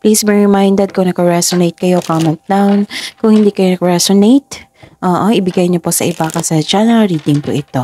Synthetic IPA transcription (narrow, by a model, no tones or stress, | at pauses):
pliːsbiɹɪmajnd̪ɛd̪̚kʊŋnɐkɐɹɛsonejt̪̚kɐjo̞kaːmɛnt̪̚laŋkʊŋhɪnd̪ikɐjonɐkɐɹɛsonejt̪ʔoːʔoʔɪbɪɡajɲoposɐʔɪbakɐsɐd͡ʒanɛlɹiːd̪ɪŋpoʔɪt̪o̞